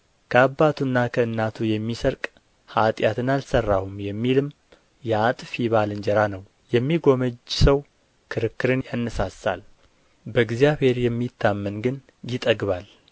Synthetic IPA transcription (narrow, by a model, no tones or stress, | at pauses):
kʰəabːat̪ʰunːakʰəɨnːat̪ʰujɛmːisəɾkʼ | hat̪ʼjat̪ɨnalsərːahumjɛmːilɨm | jɛat̪ʼfjiβalɨnd͡ʒɛɾanəw | jɛmːiɡo̞məd͡ʒsəw | kʰɨɾɨkːɨɾɨnjanːɨsasa̰l | bəɨɡzijaβhe̞ɾjɛmːit̪ʰːamːənɡɨn | jɪt̪ʼəɡβal